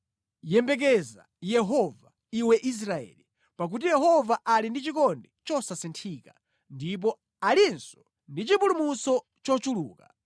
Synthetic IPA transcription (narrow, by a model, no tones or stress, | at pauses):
jɛmbɛk̬ɛza̰ | jɛɦɔva | iwɛʔis̬ɾaɛ̰ːli | pak̬ut̬ijɛɦɔvaʔalindit͡ʃikɔndɛt͡ʃɔsasintʰiːka | ndip̬ɔ | alinsɔ̥ | ndit͡ʃipulumusɔ | t͡ʃɔt͡ʃulṵːka